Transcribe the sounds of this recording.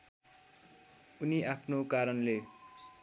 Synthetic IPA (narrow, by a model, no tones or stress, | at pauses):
uniapʰnokaɾʌnle